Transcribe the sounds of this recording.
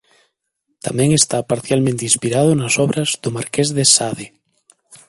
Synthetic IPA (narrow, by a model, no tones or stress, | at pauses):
t̪amɛ̃ŋest̪apaɾθjalmẽnt̪ĩnspiɾað̞ʊnasɔβɾazðʊmaɾkezðesaðe